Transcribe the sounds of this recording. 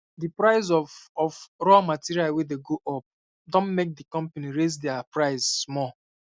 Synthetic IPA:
dipɹaɪzɔfɔfɾɔamatiɹialwedeɡoʔɔp̚ | dɔ̃nmek̚dikɔ̃mpaniɹezdɛapɹaɪzmɔ

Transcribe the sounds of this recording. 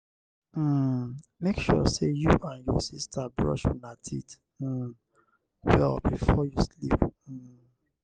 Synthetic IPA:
mekʃɔsejuʔãnjɔsistʰabɹɔ̰ʃunatʰit̩ | wɛlbifɔjuslipm̩

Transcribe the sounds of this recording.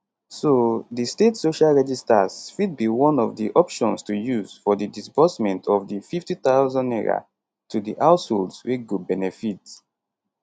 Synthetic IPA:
sodistetsoʃalɹɛd͡ʒistasfid̚biwɔ̃nɔvdiʔɔpʃɔ̃nstujuz̥fɔdidisbɔsmɛ̃ntʰɔvdififtitaʊzɔ̃ndɛɹa̰ | tʰudiʔawsholdsweɡobɛnɛfit

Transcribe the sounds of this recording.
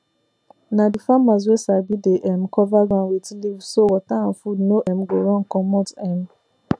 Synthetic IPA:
nãdifamaz̬esabideʔɛm̩kʰɔvaɡãnwetilivsowɔtãm̩fudnoʔɛm̩ɡoɾɔ̃ŋ̩kɔ̃mɔtɛ̃m

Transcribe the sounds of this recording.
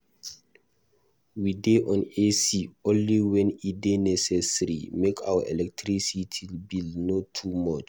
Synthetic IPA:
wideʔɔ̃nesiõnliwɛ̃nidenɛsɛsaɹḭmekʰa̰wəʔɛlɛk̚tʰɹisitʰilbilnotʰumɔt͡ʃ

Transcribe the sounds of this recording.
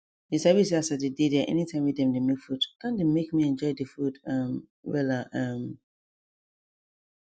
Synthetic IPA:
disɛvisasadidedɛʔɛ̰nitʰãɪ̃mwidɛ̃mdemekfudkʰãndemekmiɛ̃nd͡ʒɔɪdifudãm | wɛ̰laʔãm

